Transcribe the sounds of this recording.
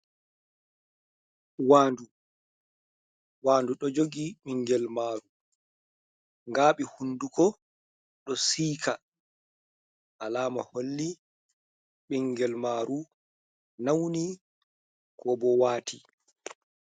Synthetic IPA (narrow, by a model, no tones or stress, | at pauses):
waːndu | waːnduɗɔd͡ʒoɡiɓiŋɡɛlmaːɾu | ŋɡaːɓihundukɔ | ɗɔsiːka | ʔalaːma̰holːi | ɓiŋɡɛlmaːɾu | nawni | kʰɔbɔwaːtʰi